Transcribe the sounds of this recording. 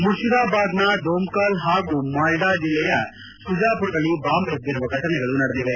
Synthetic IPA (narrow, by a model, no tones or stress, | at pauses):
muʃiɾaːbaːd̪nɐɖoːmkaːlɦaːɡumaːlɖaːd͡ʒilːɛjɐ | sud͡ʒaːpuɾʈɐɭibaːmbɐd̪ːiɾuʋɐkɐʈɐnɛɡɐɭunɐɽɐd̪iʋe